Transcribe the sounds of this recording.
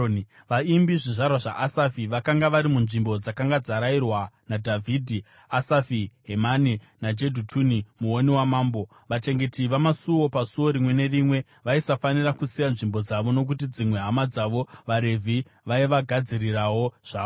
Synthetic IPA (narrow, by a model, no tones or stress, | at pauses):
ʋaimbiʐiʐarwaʐaʔasafiʋakaŋɡaʋaɾimunʐimbo̞d͡zakaŋɡad͡zaɾairwanadʱavʱidʱi | asafiɦemane | nad͡ʒe̞dʱutʰunimuoniwamaːmbo̞ | ʋat͡ʃe̞ŋɡe̞tiʋamasuwo̞pasuwo̞ɾimwe̞ne̞rimwe̞ | ʋaisafanirakusijanʐimbo̞d͡zaʋo̞no̞k̬utid͡zimwe̞ɦamad͡zaʋo̞ʋaɾe̞vʱi | ʋaiʋaɡʱad͡zirirawo̞ʐ̥aː